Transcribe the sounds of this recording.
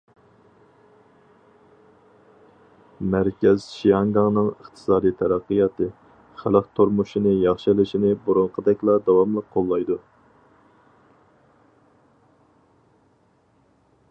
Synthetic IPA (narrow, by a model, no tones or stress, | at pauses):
mæɾkʲɛz̥ʃijɑŋɡɑŋnɨŋəχt̪ʰɨ̥sɑːd̪ijt̪ʰɛɾæqːɨjɑt̪ʰɨ | χælˠəqt̪ʰoɾmuʃinɪjɑχʃilɪʃinɪbuɾʊŋqʰəd̪ɛkʲlˠɑd̪ɑwɑmlˠəqqʰːolˠːɑjd̪u